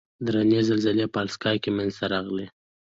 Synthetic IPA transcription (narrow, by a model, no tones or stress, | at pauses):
d̪ɾanezəlzalepɑlskɑjkemanzt̪aɾɑɣle